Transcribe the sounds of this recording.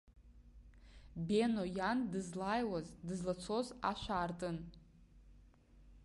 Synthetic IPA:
benojandɨzlajwazdɨzlat͡sʰo̞zaʃʷaːrtʼɨn

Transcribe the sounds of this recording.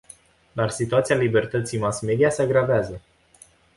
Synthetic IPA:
d̪arsit̪uat̪sialibe̞rt̪ət̪sijmasme̞d̪iaseaɡɾaveazə

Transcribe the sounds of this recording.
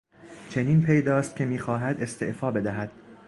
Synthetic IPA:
t͡ʃʰe̞niːnpʰe̞jd̪ɒːst̪̚cʲʰe̞miːxɒːɦæd̪e̞st̪e̞̰ʔfɒːbe̞d̪æɦæd̪̥

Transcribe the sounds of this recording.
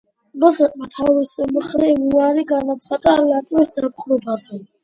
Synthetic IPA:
ɾɔzɛtʼmat̪ʰawisɛməχɾɛmuaɾiɡanat̪sʰχat̪ʼaɾlat̪ʼwɛsd̪ap̪χɾɔbazɛ

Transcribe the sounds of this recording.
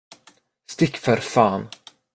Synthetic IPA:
st̪ɪkːfœɾfɑːn

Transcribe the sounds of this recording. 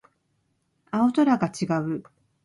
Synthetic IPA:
ao̞t̪oɾaɡat͡ɕiɡaɯ̟

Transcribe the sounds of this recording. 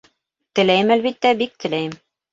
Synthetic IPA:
t̪ɘ̆læjɘmælβit̪ːæbik̚t̪ʰɘ̆læjɘm

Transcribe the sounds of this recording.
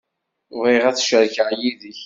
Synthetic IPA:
viʁæθʃəɾçaʕjiðəç

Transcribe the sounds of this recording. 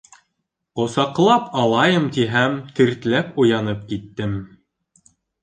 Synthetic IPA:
qŏsɑqlˠɑpʰɑlˠɑjɤmt̪iɦæmt̪iɾt̪læpŏjɑnɤp̚kit̪ːɘm

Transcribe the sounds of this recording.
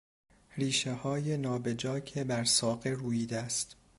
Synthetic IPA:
ɾiːʃehɒːje̞nɒːbe̞d͡ʒɒːcʰebæɾsɒːɣeruːjiːd̪est̪

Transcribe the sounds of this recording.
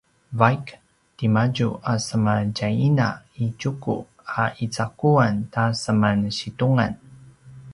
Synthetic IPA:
vajk | timaɟuasəmancaina̰icukṵ | aʔit͡sakuantasəmanɕituŋa̰n

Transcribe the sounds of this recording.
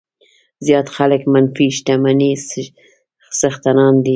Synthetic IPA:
zjɑt̪xaləkmanfiʃt̪amanis | səxt̪anɑnd̪i

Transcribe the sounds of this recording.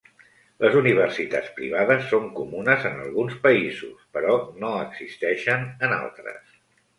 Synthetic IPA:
ləzuniβ̞ərsit̪at͡spɾḭβ̞aðəsːoŋkumunəzənə̰lˠɣunspəizṵspəɾɔnoəɡzist̪ɛʃənəna̰lˠt̪ɾə̰s

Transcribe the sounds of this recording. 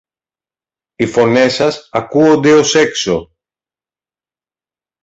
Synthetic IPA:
ifo̞ne̞sɐsɐkuond̪e̞o̞se̞kso

